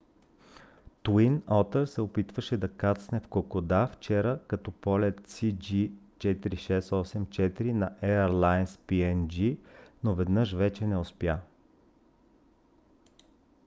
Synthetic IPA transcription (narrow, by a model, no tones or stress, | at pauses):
t̪uinɔt̪əɾsɛopit̪vəʃɛd̪ɐkat̪snɛfkokod̪aft͡ʃɛɾəkɐt̪ɔpɔlʲɛt̪sid͡ʒi | t͡ʃɛt̪iɾiʃɛsɔsɛmt͡ʃɛt̪iɾinɐʔɛəɾlˠajnspiɛnd͡ʒinovɛd̪nɤʃvɛt͡ʃɛnɛospja